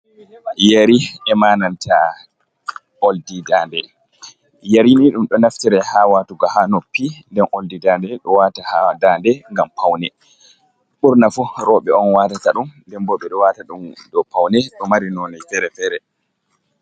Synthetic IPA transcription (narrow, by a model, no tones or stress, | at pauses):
jaɾiɛmaːnanta | oldidaːndɛ | jaɾiniɗumɗɔnaftɛɾɛhawatuɡahanopːindɛnʔoldidandɛɗɔwatahadaːndɛŋɡampʰawnɛ | ɓuɾnafuɾɔɓɛɔnwaːtataɗumndɛmbɔɓɛɗɔwataɗumɗɔpawnɛɗɔmaɾinɔnajfɛɾɛfɛɾɛ